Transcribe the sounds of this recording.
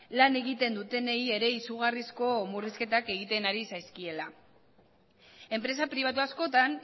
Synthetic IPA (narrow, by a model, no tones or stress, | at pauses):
lane̞ɣit̪e̞nd̪ut̪e̞neje̞ɾe̞isuɣ̞arisko̞muriske̞t̪ake̞ɣ̞it̪e̞naɾisajskie̞la | e̞mpɾe̞sapɾiβ̞at̪uasko̞t̪an